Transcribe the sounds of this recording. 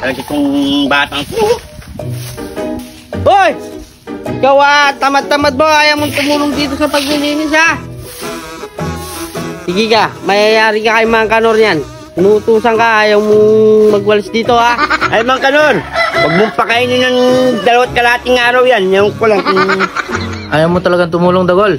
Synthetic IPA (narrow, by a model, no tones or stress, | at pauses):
ɐlɐɡat̪ʊŋbaːt̪aŋo | oj | ɪkawat̪amad̪̚t̪amad̪̚moaːjamoŋt̪ʊmuːloŋd̪iːt̪osɐpɐɡ̚lɪliːnɪs̬ha | sɪɡɪkamɐjajaːɾɪkakɐjmɐaŋkɐnoɾjan | nʊt̪uːsɐŋkaʔaːjawmomɐɡ̚wɐlɪsd̪iːt̪o̞haʔajmaŋkɐnoɾpɐɡ̚mʊŋpɐkainɪnɐŋd̪ɐlɐwat̪̚kɐlaːt̪ɪŋaːɾawjanjaŋkʊlaŋŋ | ʔajawmot̪ɐlɐɡaŋt̪ʊmuːloŋd̪ɐɡol